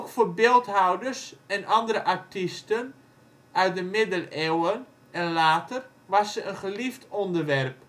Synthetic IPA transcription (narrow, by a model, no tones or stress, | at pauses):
okfoːbɪːlˠthɑwdərsɛnʔɑndəɾəʔaɹtistən | œɥt̚dəmɪdəlewən | ɛnlaːtər | ʋɑsəʔənχəliftɔndərʋɛrp